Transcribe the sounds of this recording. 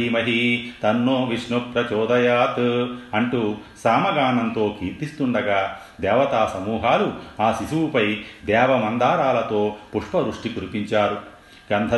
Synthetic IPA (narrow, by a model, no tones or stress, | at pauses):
iːmɐɦit̪ɐnːoːʋiʂɳupɾɐt͡ʃɔːd̪ɐjaːt̪ɐɳʈusaːmɐɡaːnɐnt̪o̞ːkiːɾt̪ist̪uɳɖɐɡaː | d̪ɛːʋɐt̪aːsɐmuːɦaːluaːsiʃuwupɐjd̪ɛːʋɐmɐnd̪ʱaːɾaːlɐt̪o̞ːpuʂpɐɾuʂʈikuɾupiɲt͡ʃaːɾu | ɡɐnd̪ʱɐ